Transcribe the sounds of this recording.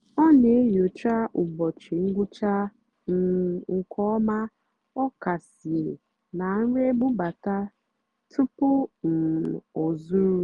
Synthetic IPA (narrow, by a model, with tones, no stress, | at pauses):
ɔ˦ne˨e˦jo˨t͡ʃa˦ʔʊ˨bɔ˨t͡ʃi˨ŋ̩˦ɡʷʊ˦t͡ʃa˦ | n̩˦ʊ˨kʰɔ˦ɔ˦ma˦ | ɔ˦ka˨si˨e˨ | na˨n̩˦ɾe˦ɡ͡bʊ˦ba˨ta˦ | tʰʊ˦pʊ˦n̩˨o˨zu˦ɾu˦